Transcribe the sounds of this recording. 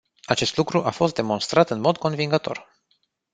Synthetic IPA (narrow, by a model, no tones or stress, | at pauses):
at͡ʃe̞st̪lukɾuʔafo̞s̬t̪d̪e̞mo̞nst̪ɾat̪ɨnmo̞d̪ko̞nviŋɡət̪o̞̰r